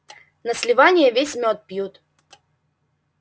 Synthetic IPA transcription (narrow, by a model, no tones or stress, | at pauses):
nəsʲlʲɪvanʲɪjəvʲesʲmʲot̪̚pjut̪